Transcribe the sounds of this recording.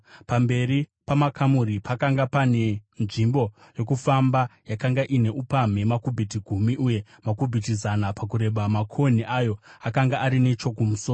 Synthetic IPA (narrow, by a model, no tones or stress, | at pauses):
pambe̞ripamakʰamuɾipakaŋɡapane̞nʐimbo̞ | jo̞kufambajakaŋɡaʔine̞ʔupam̤e̞makubʱit̬iɡʱumiʔuːje̞ | makubʱitizanapak̬uɾe̞ɓamakʰoniʔajo̞akaŋɡaʔːɾine̞t͡ʃo̞kumusoːro